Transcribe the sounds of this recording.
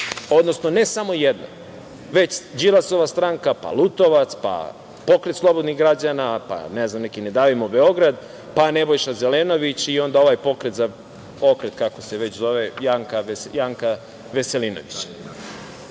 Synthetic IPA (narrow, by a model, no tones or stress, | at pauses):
o̞d̪nosno̞nesamo̞jed̪na̰ | ʋe̞t͡ɕd͡ʑilˠaso̞ʋast̪ɾaŋkapa̰lˠut̪o̞ʋat̪spa̰ | po̞kɾet̪slˠo̞bod̪niɣɡɾad͡ʑanapa̰neznamnekined̪aːʋimobeo̞ɡɾad̪ | panebo̞jʃazeleno̞ʋit͡ɕio̞nd̪ao̞ʋaːjpo̞kɾet̪za | okɾet̪kako̞seʋet͡ɕzo̞ʋejaŋkajaːŋka | ʋeselino̰ʋit͡ɕḁ